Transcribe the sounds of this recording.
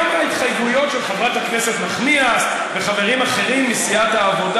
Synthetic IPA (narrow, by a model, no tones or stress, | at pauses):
mait̪χajɡujo̞tʃelχevʁathakne̞se̞tmaχnias | veχave̞ʁimaχe̞ʁimːisiat̪haːvo̞da